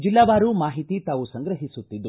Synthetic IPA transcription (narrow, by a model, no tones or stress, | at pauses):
d͡ʒilːɐʋaːɾumaːɦit̪it̪aːʋusɐŋɡɾɐɦisut̪ːid̪u